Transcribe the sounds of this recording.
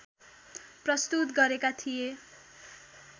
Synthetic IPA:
prʌst̪ut̪ɡʌɾekat̪ʰije

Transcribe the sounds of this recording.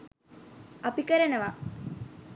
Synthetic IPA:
ɐpikəɾenəʋa

